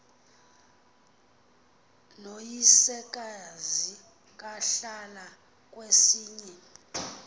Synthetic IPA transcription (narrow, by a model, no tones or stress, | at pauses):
nojisɛk̬ʼazi | k̬ʼaɬala | k̬ʼwesiːɲɛ